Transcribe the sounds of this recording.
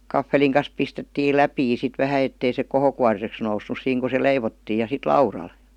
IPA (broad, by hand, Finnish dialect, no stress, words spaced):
kɑfːeliŋ kɑn̞s pistetːiːl læpiː sit ʋæhæ etːei se kohokuɑriseks nousːus siːŋ ku se leiʋotːiː jɑ sit lɑurɑl